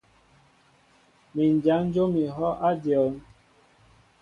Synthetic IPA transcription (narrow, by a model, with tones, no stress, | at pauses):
mi˨n˨d͡ʒa˨˦n̩˦d͡ʒo˦mi˨ɦɔ˦ʔa˦djɔ˨˦n